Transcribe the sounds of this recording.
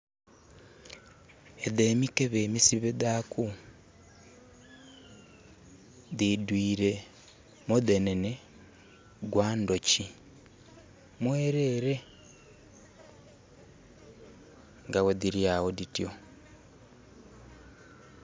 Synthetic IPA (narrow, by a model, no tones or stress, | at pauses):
edeːmikeβemisiβedaːkʰu | didwiːɾe̞ | modenene | ɡwaːndoci | mweːɾe̞ːɾe | ŋɡawediɾiawoditio